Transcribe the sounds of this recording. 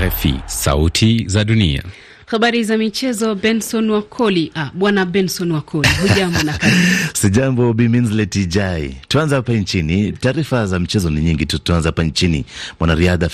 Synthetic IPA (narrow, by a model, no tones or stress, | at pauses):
ɛfḭsa̰utʰizaɗunḭa̰ | haɓaɾizamit͡ʃɛzɔbɛnsɔnwakʰɔliʔaɓwanaɓɛnsɔnwakʰɔliɦuʄambɔnakaɾisiʄambɔɓiminzlɛtid͡ʒaituanzahapant͡ʃinitaːɾifazamit͡ʃɛzɔniɲiŋɡitutuanzahapant͡ʃinimwanaɾiaða